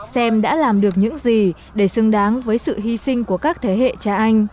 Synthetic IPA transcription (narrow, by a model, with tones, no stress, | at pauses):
sɛ˧mɗa̰ː˧˥laː˨˩mɗɨ˨˩ək̚ɲɨ̰˧˥ŋzi˨˩ | ɗe˧˩sɨ˧ŋɗaː˨˦ŋvəː˨˦jsɨ̰˧˨ɦi˧sï˧ŋ̟ku˧˩əkaː˦˥k̚t̪ʰe˨˦ɦḛ˧˨t͡ɕa˧ʔa˧jŋ̟